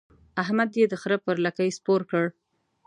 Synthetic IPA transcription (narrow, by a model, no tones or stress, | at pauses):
aɦmad̪jed̪əxɾəpəɾlakəjspoɾkəɽ